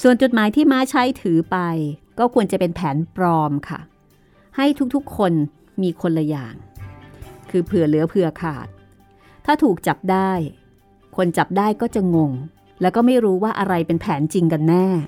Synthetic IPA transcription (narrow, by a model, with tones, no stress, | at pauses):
su˨˩ənt͡ɕo˨˩t̪̚maː˩˦jt̪ʰiː˥˩maː˦˥t͡ɕʰa˦˥jt̪ʰɯː˩˦pa˧jkɔː˥˩kʰu˧ənt͡ɕa˨˩pe˧npʰɛː˩˦npɾɔː˧mkʰa̰˥˩ | ha˥˩jt̪ʰu˦˥k̚t̪ʰu˦˥kʰːo˧n | miː˧kʰo˧nla˧ja̰ː˨˩ŋ | kʰɯː˧pʰɯ˨˩ɐlɯ˨˩˦ɐpʰɯ˨˩ɐkʰa̰ː˨˩t̪̚ʰː | aː˥˩t̪ʰuː˨˩k̚t͡ɕa˨˩p̚daː˥˩j | kʰo˧nt͡ɕa˨˩p̚daː˥˩jkɔː˥˩t͡ɕa˨˩ŋo˧ŋ | lɛː˦˥wkɔː˥˩ma˥˩jɾuː˦˥waː˥˩ʔa˧ɾa˧jpe˧npʰɛː˩˦nt͡ɕi˧ŋka˧nːɛː˥˩